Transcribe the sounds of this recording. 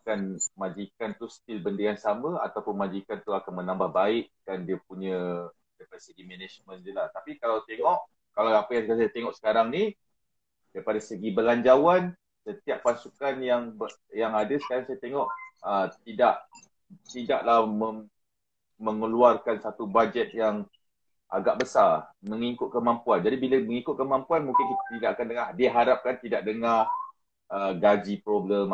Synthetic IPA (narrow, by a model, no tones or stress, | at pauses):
akanmãd͡ʒikant̪ust̪ɪlbəndəaŋsaməa̰t̪awpʊnmad͡ʒikant̪uakanmənãmbahbaɪʔd̥andiəp̚uɲə̃ | daɾipadasəɡimɛned͡ʒmə̃ndəlaht̪apikalawt̪eŋɔʔ | kalawapəjaŋsasajt̪eŋɔʔsə̥kaɾaŋni | d̥aɾipadasəɡibəlaɲd͡ʒawan | sət̪iaʔpːasukanjaŋbə | jaŋadasə̥kaɾaŋsajat̪eŋɔʔət̪idaʔ | t̪idaʔlahməm | məŋəluarkansat̪ubad͡ʒɛt̪̚jaŋ | ʔa̰ɡaʔbəsarməŋikʊt̪̚kəmampuand͡ʒadibiləməŋikʊt̪̚kəmãmpuanmũŋkɪnkit̪at̪idaʔakandəŋahdiaɦaɾap̚kant̪idaʔ̚dəŋa | əɡad͡ʒipɾobləm